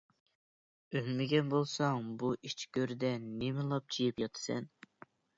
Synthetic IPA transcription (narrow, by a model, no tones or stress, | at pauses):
ønmɪɡʲɛnbolˠsɑŋbuʔit͡ʃʰɡʲøɾd̪ɛnemɪlˠɑp̚t͡ʃʰijipjɑt̪ʰɨ̥sɛ̰n